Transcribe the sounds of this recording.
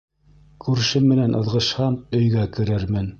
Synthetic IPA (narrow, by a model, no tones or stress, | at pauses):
kʰʉɾʃɘmːɘ̆nænʔɤ̆ðʁɤ̆ʃhɑmɵ̆jɡækɘ̆ɾɘɾmɘn